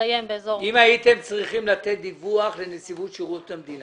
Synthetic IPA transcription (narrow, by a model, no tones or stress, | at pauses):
ajembeezoimajit̪e̞mt͡sʁiχimlat̪et̪̚d̪ivuaχlenesivut̪ʃiʁutamd̪ina